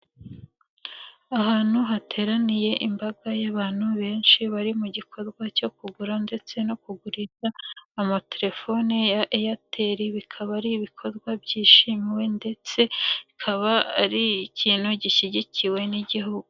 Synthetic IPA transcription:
aɦaːn̥huɦatʰe̞ːɾanije̞ʔimbaɡajaβaːn̥huβe̞ːnʃiβaɾimuɟikʰo̞ɾɡwaco̞kuɡuɾande̞t͡se̞no̞kuɡuɾiʃaːmate̞ɾe̞fo̞nijaʔejatʰeɾiβikʰaβaɾiβikʰo̞ɾɡwabɟiːʃimiwe̞nde̞t͡se̞βikʰaβaa̰ɾiːciːnhuɟiʃiɟiciwe̞niɟiɦuɡu

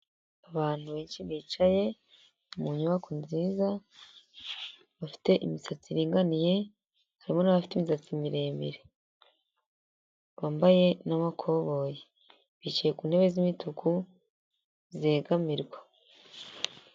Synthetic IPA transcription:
aβaːn̥uβeːnʃiβiːt͡ʃaje̞ | umuɲuβakʰunziːza | βafi̥te̞ʔimisat͡siɾiːŋɡanije̞ | haɾimo̞naβafi̥timisat͡simiɾe̞ːmbḭɾe | βaːmbaje̞namakʰo̞βo̞je | βit͡ʃijekuːnhe̞βe̞zimitʰukʰu | ze̞ːɡamiɾɡwa

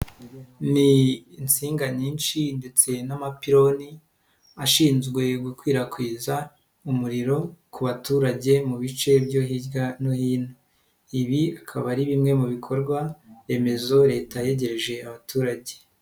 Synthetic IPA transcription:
niːnt͡siːŋɡaɲiːnʃinde̞t͡se̞namapiɾo̞ni | aʃiːnzɡwe̞ɡukwiːɾakwiːza | umuɾiɾo̞kuβatuːɾaɟe̞muβit͡ʃe̞bjo̞ɦiɾɡanohiːno | iβiakʰaβaɾiβimŋe̞muβikʰo̞ɾɡwae̞me̞zo̞ɾe̞ːtaje̞ɟe̞ɾeʒe̞aβatuːɾaɟe

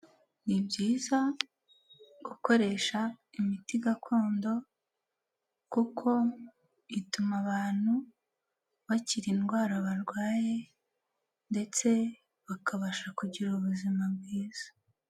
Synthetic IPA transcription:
nibɟiːza | ɡ̥uko̞ɾe̞ʃaimitiɡakʰo̞ːndo̞ | kukʰo̞ | itumaβaːn̥hu | βaciɾinɡwaːɾaβaɾɡwaːje̞ | nde̞t͡se̞ | βakaβaʃakuɟiɾuβuzimab̚ɡiːz̥ḁ

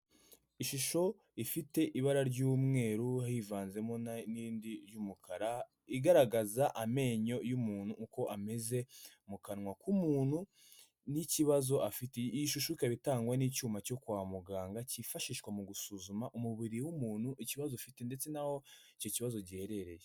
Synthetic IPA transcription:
iʃuʃo̞ | ifite̞ʔiβaɾaɾɟuːmŋe̞ːɾuhahivaːnze̞mo̞nanindiɾjumukʰaɾa | iɡaɾaɡazaʔame̞ːɲo̞jumuːn̥huːko̞ʔame̞ze̞ | mukanŋwakumuːnhu | niciβazo̞ʔafiteʃuʃoikaβitaːŋɡwaniːcuːmaco̞kwaːmuɡaːŋɡacifaʃiːʃkwamuɡusuzumaʔumuβiɾiwumuːn̥huʔiciβazofite̞ndet͡se̞naho̞ico̞ciβazo̞ɟihe̞ɾe̞ɾe̞je

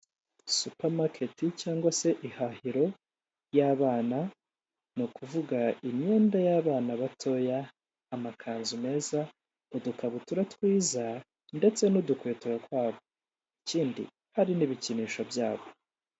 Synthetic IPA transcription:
supamakʰe̞ticaːŋɡwase̞ʔihahiɾo̞ | jaβaːna | nukʰuvuɡaiɲɲe̞ːndajaːβaːnaβatʰo̞jaː | makʰaːnzume̞ːza | odukaβutuɾatwiːza | nde̞t͡se̞nudukweːtuɾakwaːβo̞ | iciːndḭ | haɾiniβiciniːʃobjaːβo

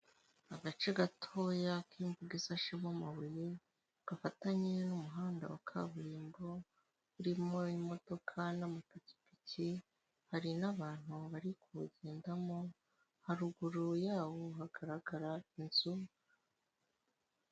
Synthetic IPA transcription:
aɡat͡ʃe̞ɡatʰo̞ːjakiːmbuɡisaʃemamaβuji | ɡ̥afataɲe̞numuɦaːnda̰wakʰa̰βuɾiːmbo̞ | uɾimo̞imo̞to̞kʰanamatoci̥pici | haɾinaβaːn̥huβaɾikuɟe̞ːndamo̞ | haɾuɡuɾojaːwoɦaɡ̥aɾaɡaɾainzu

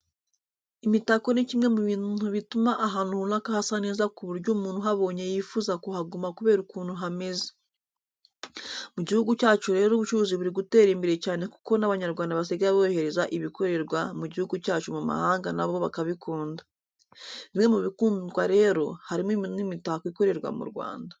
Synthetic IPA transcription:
imitako̞necimŋe̞muβiːnnuβitumaʔaɦaːnuhunakahasane̞ːzakuβuɾɟuːmuːn̥huɦaβo̞ːɲe̞jifuːzakuhaɡumakuβe̞ːɾukuːnuɦame̞ze̥ | muɟihuɡucaːt͡ʃuɾe̞ːɾoːβut͡ʃuβuːziβuɾiɡute̞ːɾiːmbiɾe̞caːne̞ku̥ko̞naβaɲaɾɡwaːndaβas̬eɡaɾaβoːjohe̞ɾe̞zaʔiβiko̞ɾe̞ɾɡwamuɟihuɡucaːt͡ʃumuma̰haːŋɡanaβoβakaβikuːnda | βimŋe̞muβikuːndwaɾe̞ːɾo̞̰haɾiminimitahakwiko̞ɾe̞ɾɡwa̰mṵɾɡwa̰ːnda

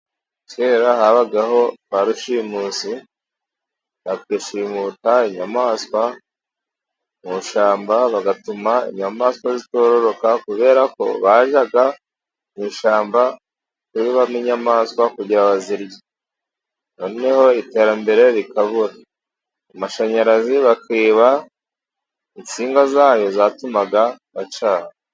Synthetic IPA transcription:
tweːɾahaβaɡaɦo̞βaɾuʃimuːsi | βakwiːʃimutaiɲamaːskwa | muʃaːmbaβaɡatumaḭɲamaːskwazito̞ːɾo̞ɾo̞kakuβe̞ːɾako̞̰βaʒaɡa | miːʃaːmba | kuiβamiɲamaːskwakuɟiɾaβaziɾɟi | noneho̞ite̞ːɾambe̞ɾe̞ɾikaβuɾaː | maʃaɲaɾaziβakiːβa | int͡siːŋɡazaːjo̞zatumaɡa | βat͡ʃaːɾa

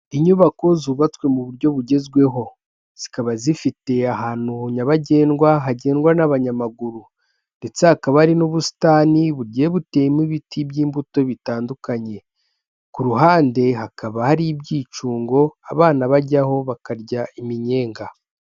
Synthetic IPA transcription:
iɲuβako̞zuːβat͡swe̞muβuɾɟo̞βuɟe̞zɡwe̞ɦo̞ | z̥ikaβazifite̞aɦaːn̥uɲaβaɟe̞ːnɡwaɦaɟe̞ːnɡwanaβaɲamaɡuɾu | nde̞t͡sehakaβaaɾinoβusi̥taːniβuɾɟeβute̞jimiβitʰibɟiːmbuto̞βitaːndukaɲe̞ | kuɾuɦaːnde̞ɦakaβahaɾibɟiːt͡ʃuːŋɡo̞aβaːnaβaɟaho̞βakaɾɟaimiɲe̞ːŋɡa

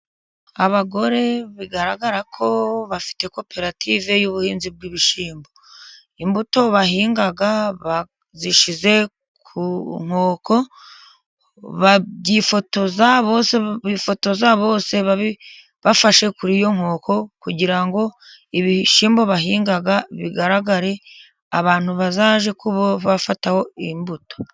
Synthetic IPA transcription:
aβaɡo̞ɾe̞βiɡaɾaɡaɾakʰo̞βafi̥te̞ko̞pe̞ɾatʰiːve̞juβuhiːnzib̚ɡiβiʃiːmbo̞ | imbuto̞βaɦiːŋɡaɡaβa | ziʃize̞ | kʰuŋ̥o̞ːko̞ | βaɟifo̞to̞zaβo̞seifo̞to̞zaβo̞ːse̞βaβi | βafaʃe̞kuɾijo̞ŋ̥o̞ːko̞kuɟiɾaŋɡo̞iβiʃiːmbo̞βaɦiːŋɡaɡaβḭɡaɾaɡaɾe̞ | aβaːn̥huβazaːʒe̞kuβoβafataho̞imbuto̥

